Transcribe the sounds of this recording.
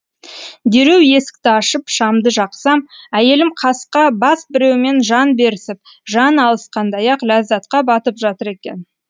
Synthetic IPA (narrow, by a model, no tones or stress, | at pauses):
d̪e̞ɾe̞wje̞sɪ̥k̚t̪ɪɑʃəpʃɑmd̪əʒɑqsɑmæje̞lɪmqʰɑsqɑbɑsbɪɾe̞wɪme̞nʒɑnbe̞ɾɪsɪp̚ | ʒɑnɑlˠəsqʰɑnd̪ɑjɑqlæzd̪ɑt̪qɑbɑt̪əpʒɑt̪əɾe̞kʲe̞̰n